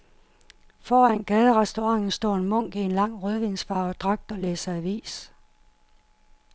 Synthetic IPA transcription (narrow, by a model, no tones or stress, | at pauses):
fɒːænɡ̥ɛːð̞ˠəʁɛsd̥o̝ʁɑ̈ŋ̰n̩sd̥ɒ̰ːenmɔ̽ŋ̰ɡ̥ie̝nlɑ̈ŋ̰ʁøðˠʋensfɑ̈ːʊɒd̥ʁɑ̈ɡ̥̚d̥ɒ̽leːsəæʋḭːs